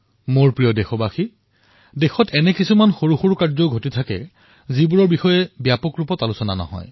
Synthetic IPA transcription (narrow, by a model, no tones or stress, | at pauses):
moɹpɹijɔdexɔbaxi | dexɔtɛnɛkisumanxoɹuxuɹkaɹzɔʊɡʱotitʰakɛ̰ | zibuɹɔɹbixɔjɛbjapɔkɹupɔtalusɔna̰nɔ̰ɦɔ̰j